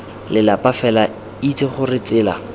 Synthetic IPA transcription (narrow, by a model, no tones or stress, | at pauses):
lɪlapafɛla | it͡sʰʼɪχʊrɪt͡sɪːla̰